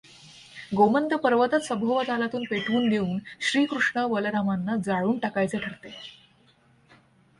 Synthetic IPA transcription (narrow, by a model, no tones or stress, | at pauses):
ɡomənd̪əpəɾʋət̪at̪səmbʱoʋət̪alat̪uːnpeʈʰuːnd̪euːnɕɾiːkɾuʂɳaʋəlɾamanːad͡zaɭuːɳʈakajt͡seʈʰəɾt̪e